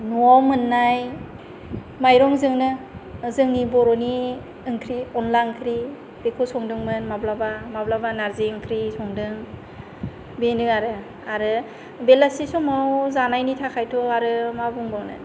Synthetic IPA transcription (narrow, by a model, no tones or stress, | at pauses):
nuawmɯnːaj | majɾɔŋzɯŋnɯzɯŋnibɔɾɔni | ɯŋkʰɾiɔnlankʰɾi | b̥ekʰosɔŋdɯŋmɯnmablabamablabanaɾziɯŋkʰɾisɔŋdɯŋ | benɯaɾɯ | aɾɯ | belasisɔmawzanajnitʰakʰajtʰɔaɾɯmabuŋbɔŋnɯ̰